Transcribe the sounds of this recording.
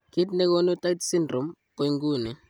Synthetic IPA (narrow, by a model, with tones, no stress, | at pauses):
ki˦tnɛ˦ko˦no˦ta˦tsi˦ndɾɔ˨mke˦ŋɡuː˦˨nɛ˨